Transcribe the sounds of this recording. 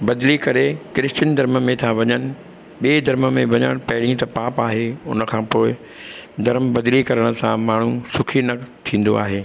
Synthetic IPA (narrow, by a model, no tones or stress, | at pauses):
bɐd̪likɐɾekɾɪst͡ɕənd̪ʱɐɾməmẽt̪ʰaʋɐɲənɪ̆ | ɓied̪ʱɐɾməmẽʋɐɲə̰ɽ̃pɐɦɪɽ̤ĩt̪ɐpaːpaːɦeʊ̰nə̆kʰãːpoːɪ | d̪ʱɐɾmbɐd̪likɐɾəɽ̃ʊ̆sãmaːɳ̤usʊkʰinɐt̪ʰĩːn̆d̪o̰a̰ːɦeː